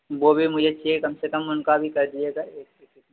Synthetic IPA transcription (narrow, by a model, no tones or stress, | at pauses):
ʋoːbʱimʊd͡ʒʱet͡ʃiekɐmsekəmʊnkabʱikɐɾd̪ieɡaeːkː